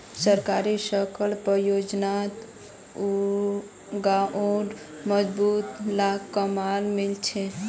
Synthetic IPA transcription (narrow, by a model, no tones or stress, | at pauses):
səɾkaɾisəkʰəlpɾəjod͡ʒnat̪ | u | ɡaʔoɖ | məd͡ʒbut̪lakːəmalmilt͡ʃʰɛ